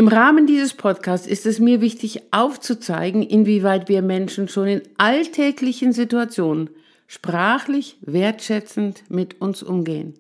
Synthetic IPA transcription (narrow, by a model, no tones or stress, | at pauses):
ʔɪmʁaːməndiːzəspʰɔtkʰaːstsɪstɛsmiːɐvɪçtɪçʔaʊft͡sut͡sa̰ɪɡŋ̩ʔɪnviːvaɪtv̥iːɐmɛnʃn̩ʃoːnɪnʔaltʰɛːklɪçn̩zituat͡sjoːnən | ʃpʁ̥aːχlɪçv̥eːɐtʃɛt͡sn̩tmɪtʰʊnsʔʊmɡeːən